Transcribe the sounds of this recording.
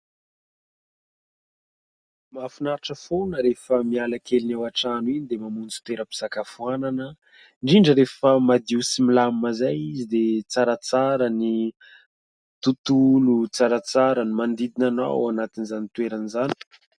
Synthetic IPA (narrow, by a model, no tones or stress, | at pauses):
mafunaɾʈ͡ʂəfonəɾefəmialakelinawaʈ͡ʂanuinid̪emamund͡zu̥t̪weɾəpi̥z̥akafuananə | ɳɖ͡ʐiɳɖ͡ʐəɾefəmad̪iusimilammazajizid̪et͡saɾat͡saɾəni | t̪ut̪ulut͡saɾat͡saɾənimand̪id̪inana̰wanat̪inizanit̪weɾanizani̥